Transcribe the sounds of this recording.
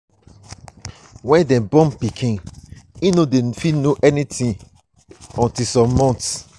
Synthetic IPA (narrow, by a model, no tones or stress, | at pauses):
wɛ̃ndɛ̃bɔ̃mpikʰĩninodefinoʔɛnitĩ | ɔ̃ntisɔ̃mːɔ̃nts